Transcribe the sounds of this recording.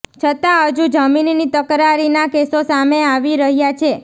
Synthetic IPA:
t͡ʃʰət̪aɦəd͡ʒud͡ʒəminnit̪əkɾaɾinakesosameaʋiɾəɦjat͡ʃʰe

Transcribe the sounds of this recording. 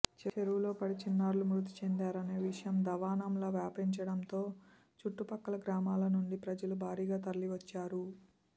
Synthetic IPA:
t͡ʃt͡ʃeɾuwlo̞ːpɐɽit͡ʃinːaːɾlumɾut̪i̥t͡ʃend̪aːɾɐne̞ːʋiʂɐjɐmd̪ɐʋaːnɐmloːʋjaːpɾiɲt͡ʃɐɽɐnt̪o̞ː | t͡ʃuʈːupɐkːɐlɐɡɾaːmaːlɐnuɳɖipɾɐd͡ʒɐlubʱaːɾiːɡaːt̪ɐɾɐliʋɐt͡ʃːaːɾu

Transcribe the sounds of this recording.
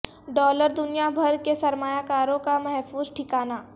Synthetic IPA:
ɖɔːləɾd̪ʊnijabʱɐɾkesɐɾmaːjakaːɾõkamɐɦfuːzʈʰɪkaːnaː

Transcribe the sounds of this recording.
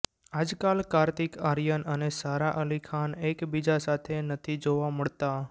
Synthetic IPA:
ad͡ʒkalkaɾt̪ikaɾjənənesaɾaʔəlikʰanekbid͡ʒasat̪ʰenət̪ʰid͡ʒoʋaməɭt̪a

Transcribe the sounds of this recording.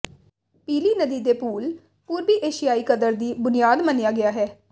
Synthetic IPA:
piːliːnəd̪iːd̪eːpuːl | puːɾbiːʔeːʃɪjaːiːkəd̪əɾd̪iːbʊnɪjaːd̪mənjaːɡɪaːɦɛː

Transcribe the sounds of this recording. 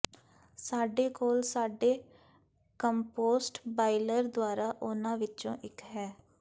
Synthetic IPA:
saːɖeːkoːlsaːɖeː | kəmpoːsʈbaːɪləɾd̪ʊaːɾaːʔʊnãːʋɪtːt͡ʃõːʔɪkɦɛː

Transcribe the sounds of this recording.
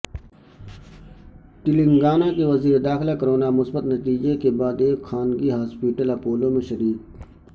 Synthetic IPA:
ʈ̪ɪlɪ̃ŋɡaːnakeʋɐziːɾed̪aːxɪlakəɾoːnamʊsbət̪nɐt̪iːd͡ʒekebaːd̪eːkxaːnɡiɦaːspiʈəlɐpoːlõmẽʃəɾiːk̚

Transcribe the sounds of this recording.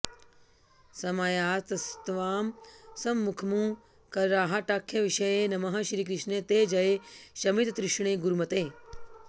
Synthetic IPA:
sɐmaːjaːt̪ɐst̪ʋaːmsɐmːukʰmũ | kɐɾɾaːɦaʈaːkʰjɐʋiʃɐjenɐmɐɦɐʃɾiːkɾɪʃnet̪eːd͡ʒɐjeʃɐmit̪t̪ɾɪʃɳ̃eːɡuɾumɐt̪eː

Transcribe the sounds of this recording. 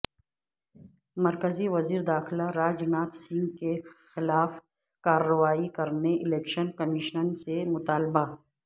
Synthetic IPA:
mɐɾkəziʋɐziːɾd̪aːxlaɾaːd͡ʒnaːt̪sĩŋɡkexɪlaːf | kaːɾːəwaːikɐɾneʔɪleːkʃənkɐmiːʃnənsemʊt̪aːlba

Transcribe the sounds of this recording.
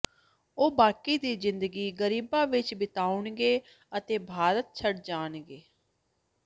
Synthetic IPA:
oːbaːkiːd̪iːzɪnd̪əɡiːɡəɾiːbãːʋɪt͡ʃbɪt̪aːʊɳɡeː | ət̪eːbʱaːɾət̪̚t͡ʃʰəɽd͡ʒaːnɡeː

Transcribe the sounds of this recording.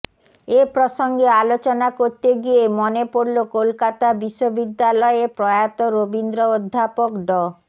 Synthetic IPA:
epɾoʃɔŋɡealot͡ɕɔnakoɾt̪eɡiemonepoɾlokolkat̪abiʃːobid̪ːalɔepɾɔjat̪oɾobind̪ɾood̪ʱːapokɖɔ

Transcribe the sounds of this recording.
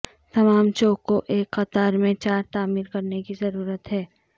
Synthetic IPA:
t̪ɐmaːmt͡ʃoːkːoʔeːkxɐt̪aːɾmẽt͡ʃaːɾt̪aːmiːɾkɐɾnekizɐɾuːɾət̪ɦɛː

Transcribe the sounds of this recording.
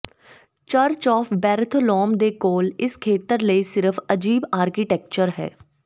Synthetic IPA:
t͡ʃəɾt͡ʃɔːfbɛːɾt̪ʰlɔːmd̪ekoːlɪskʰeːt̪əɾleisɪɾəfʰɐd͡ʒiːbaːɾkiʈɛːk̚t͡ʃəɾɦɛ̰ː

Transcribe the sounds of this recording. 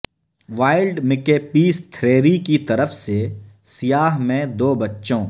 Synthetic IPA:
ʋaːɪlɖmɪkepiːst̪ʰɾeːɾikit̪ɐɾəfse | sijaːɦmẽd̪oːbɐtːʃõː

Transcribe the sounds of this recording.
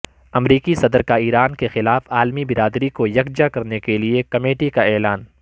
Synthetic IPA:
ɐmɾiːkisɐd̪ɾkaiːɾaːnkexɪlaːfaːlmibɪɾaːd̪ɾikojɐɡd͡ʒakɐɾnekeliekɐmeːʈikaɛːlaːn

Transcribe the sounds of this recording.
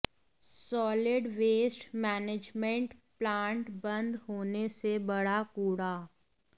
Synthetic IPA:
sɔːlɪɖʋeːsʈmɛːned͡ʒmẽɳʈplãːɳʈbɐ̃nd̪ɦoːnesebɐɽakuːɽaː

